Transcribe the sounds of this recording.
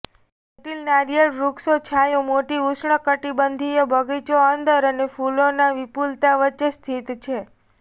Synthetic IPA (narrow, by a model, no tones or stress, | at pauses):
ʈilnaɾijəɾɾuksot͡ʃʰajõmoʈiusɳəkəʈibənd̪ʱijəbʱəɡit͡ʃoənd̪əɾənefulonaʋipult̪aʋət͡ʃest̪ʰit̪t͡ʃʰe